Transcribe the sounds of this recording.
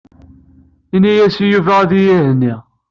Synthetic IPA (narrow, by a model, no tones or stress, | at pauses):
inːæjæsijuvææðijihnːi